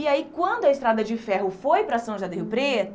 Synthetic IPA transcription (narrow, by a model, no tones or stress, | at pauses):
iaikwɐ̃nd̪ʊɐɪst̪ɾad̪ɐd͡ʒɪfɛɦʊfojpɾɐsɐ̃w̃ʒad̪ɐʊpɾet̪